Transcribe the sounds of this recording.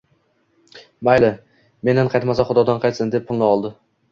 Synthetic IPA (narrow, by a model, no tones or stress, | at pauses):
bajlɪ | me̞nɪɴqʰɑjt̪masaχʊd̪ɒd̪anqʰɑjt̪sɪnd̪e̞pʰːʊlˠnɪɒlˠd̪ɪ